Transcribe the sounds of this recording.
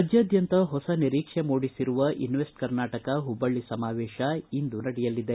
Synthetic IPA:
ɐd͡ʒjɐːd̪ʱjɐnt̪ɐɦɔsɐniɾiːkʂemoːɽisiɾuʋɐʔinʋesʈkɐɾnaːʈɐkɐɦubːɐɭːisɐmaːʋeːʃɐind̪unɐɽɛjɐlːid̪e

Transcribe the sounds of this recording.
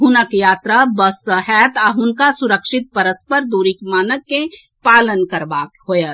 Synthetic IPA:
ɦʊnəkjaːt̪ɾabəsəɦɛːt̪aɦʊnkasʊɾəkʃɪt̪̚pəɾəspəɾd̪uːɾikmaːnək̪̚ke | paːlənkɐɾbaːkɦojə

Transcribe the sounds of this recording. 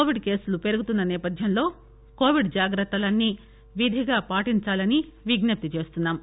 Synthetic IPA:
oːʋiɖke̞ːsulupe̞ɾuɡut̪unːɐnɛːpɐd̪ʱjɐmlo̞ː | ko̞ːʋiɖd͡ʒaːɡɾɐt̪ːɐlɐnːi | ʋid̪ʱiɡaːpaːʈiɲt͡ʃaːlɐniʋiɡnɐp̚t̪it͡ʃe̞ːst̪unːaːm

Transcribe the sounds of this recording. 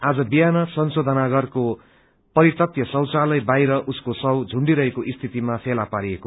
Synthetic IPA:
ad͡zʌbijanʌsʌnsod̪ʱʌnaɡʌrko | pʌɾit̪ʌt̪jʌsʌwt͡salʌjbajɾʌʔuskosʌwd͡zʱuɳɖiɾʌɦekoʔist̪ʰit̪imapʰelapaɾieko

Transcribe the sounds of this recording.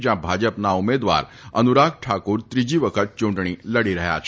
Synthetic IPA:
d͡ʑjãbʱad͡ʑəpnaumed̪ʋa̰ɾənuɾaɡ̚ʈʰakuːɾt̪ɾid͡ʑiːʋəkʰət̪̚t͡ɕuɳɖɳ̃iːləɽiɾəɦja̰t͡ʃʰ

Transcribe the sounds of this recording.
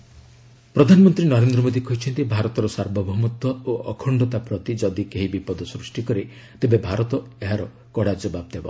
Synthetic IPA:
pɾɔd̪ʱanɔmɔnt̪ɾinɔɾend̪ɾɔmod̪ikɔɦjt͡ʃʰɔnt̪ibʱaɾɔt̪ɔɾɔsaɾbɔbʱɔɦmut̪ɔoʔɔkʰɔɳɖɔt̪apɾɔt̪id͡ʒɔd̪ikeɦibipɔd̪ɔsɾusʈikɔɾe | t̪ebebʱaɾɔt̪ɔeɦaɾɔ | kɔɽad͡ʒɔbab̚d̪ebɔ̰

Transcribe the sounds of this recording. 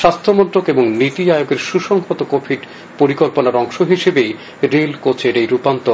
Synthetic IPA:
ʃast̪ʰomɔnt̪ɾokeboŋnit̪iajoɡeɾʃuʃɔŋɦot̪okobʰiɖ | poɾikolponaɾɔŋʃoɦiʃebej | ɾelkot͡ɕʰeɾejɾupant̪o

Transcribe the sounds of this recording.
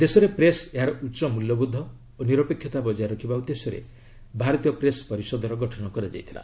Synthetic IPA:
d̪esɔɾepɾeseɦaɾɔuːt͡ʃɔmuljɔbud̪ʱːɔ | oniɾɔpekʰːjɔt̪abɔd͡ʒaeɾɔkʰibaud̪ːesɔɾḛ | bʱaɾɔt̪ijɔpɾespɔɾisɔd̪ʱɔɾɔɡɔʈʰɔnɔkɔɾad͡ʒa̰jt̪ʰila̰

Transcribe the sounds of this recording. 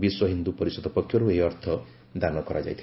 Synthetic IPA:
biswɔɦind̪upɔɾisɔd̪ɔpɔkʰjɔɾuejɔɾt̪ʰɔ | d̪anɔkɔɾad͡ʒa̰jt̪ʰi

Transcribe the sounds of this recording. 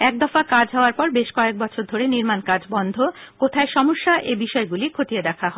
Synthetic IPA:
ɛk̚d̪ɔfakad͡ʑɦɔoaɾpɔɾbeʃkɔek̚bɔt͡ɕʰoɾd̪ʱoɾeniɾmankaɾd͡ʑbɔnd̪ʱokot̪ʰaeʃɔmoʃːaʔebiʃɔeɡulikʰot̪ied̪ɛkʰaɦɔe

